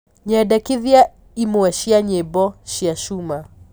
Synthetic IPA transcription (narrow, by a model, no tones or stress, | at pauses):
ɲɛdakiðja | imuɛʃiaɲɛbɔʃiaʃuma